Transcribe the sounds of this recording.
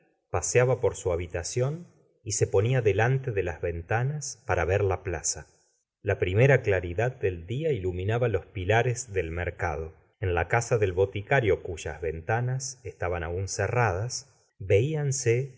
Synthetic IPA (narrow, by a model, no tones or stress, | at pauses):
pasjaβapo̞ɾsuaβit̪asjo̞n | ise̞po̞niaðelant̪e̞ðelazβe̞nt̪anaspaɾaβeɾlaplasa | lapɾime̞ɾaklaɾiðad̪̚ːe̞ld̪iailumĩnaβalo̞spilaɾezðe̞lmeɾka̰ð̞o̞ | e̞nlakasaðe̞lβo̞t̪ikaɾjo̞kuʒa̰zβe̞nt̪anasest̪aβanaunserað̞as | βe̞ianse